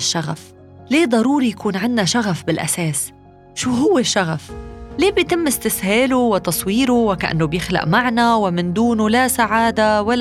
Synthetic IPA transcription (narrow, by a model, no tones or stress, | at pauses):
ʃːaɣaf | leːd̪ˤɑɾuːɾijakʰuːnʕɪnːaʃaɣafbɪlʔa̰seːs | ʃuːɦʊwːɪʃːaɣafleːbjt̪ɪmːɪst̪ɪsheːluwɪt̪ɑsˤwiːɾuwɪkaʔa̰nːobjɪxla̰ʔmaʕnawɪmɪnd̪uːnulasaʕaːd̪awal